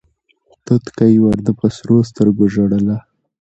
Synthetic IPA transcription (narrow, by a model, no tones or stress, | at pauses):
t̪ot̪kajwaɾd̪əpəsɾos̬t̪əɾɡoʒoɽəla